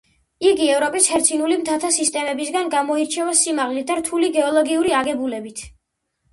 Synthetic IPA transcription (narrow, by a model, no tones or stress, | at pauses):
iɡiɛvɾɔpʼishɛɾt̪sʰinulimt̪ʰat̪ʰasist̪ʼɛmɛbisɡanɡamɔiɾt͡ʃʰɛvasimaʁlit̪̚ʰd̪aɾt̪ʰuliɡɛɔlˠɔɡiuɾiaɡɛbulɛbit̪ʰ